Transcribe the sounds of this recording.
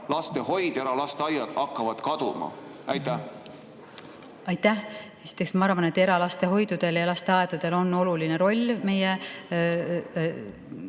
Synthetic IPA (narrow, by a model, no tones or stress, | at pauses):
lɑst̪e̞ho̞jd̪̥e̞ɾɑlɑst̪eɑjɑd̪̥ɑkːɑvɑd̪̥kɑd̪̥umɑ̰æjt̪ːæ | ɑjt̪ːæh | e̞si̥t̪ˑːeksmɑɑrvɑne̞t̪ːe̞ɾɑlɑst̪e̞ɦo̞jd̪̥ud̪̥e̞ljɑlɑst̪e̞ɑed̪ɑd̪̥e̞lo̞nːo̞lulineɾo̞lʲːme̞je